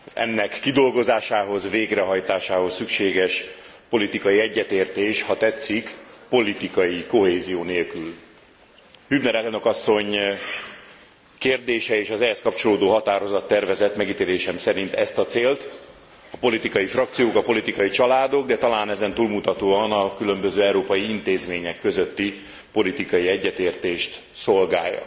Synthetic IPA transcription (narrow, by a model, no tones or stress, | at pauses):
zɛ̰nːɛkːid̪o̞lɡo̞zaːʃaːɦo̞zveːɡrɛɦɒjt̪aːʃaːho̞sːykʃeːɡɛʃ | po̞lit̪ikɒjiɛɟːɛt̪eːrt̪eːʃhɒt̪ɛt̪sikpo̞lit̪ikɒjiko̞ɦeːzijoːneːlkyl | hybnɛɾɛlno̞kɒsːo̞ɲ | keːrd̪eːʃɛeːʃɒzɛɦɛskɒpt͡ʃo̞loːd̪oːɦɒt̪aːɾo̞zɒt̪ːɛrvɛzɛt̪mɛɡit̪eːleːʃɛmsɛɾint̪ɛst̪ɒt̪seːlt̪ | ɒpo̞lit̪ikɒjifrɒk̚t̪sijoːkɒpo̞lit̪ikɒjit͡ʃɒlaːd̪o̞ɡ̚d̪ɛt̪ɒlaːnɛzɛnt̪uːlmut̪ɒt̪oːɒnɒkylø̞mbøzøːɛwɾoːpɒjiint̪eːzmeːɲɛkːøzøt̪ːi | po̞lit̪ikɒjiɛɟːɛt̪eːrt̪eːʃt̪ | so̞lɡa̰ːjːɒ̰